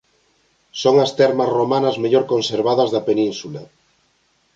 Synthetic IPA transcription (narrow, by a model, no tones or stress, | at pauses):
soŋɐst̪ɛɾmɐsromanɐzmeʎoɾkonseɾβ̞aðɐzðɐpenĩnsula